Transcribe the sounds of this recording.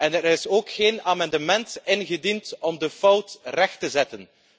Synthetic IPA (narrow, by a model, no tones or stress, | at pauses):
ɛnəɾɪsoːkxeːnaːmɑndəmɛntɪnɣədintɔmdəfʌwtrɛxtəzɛtən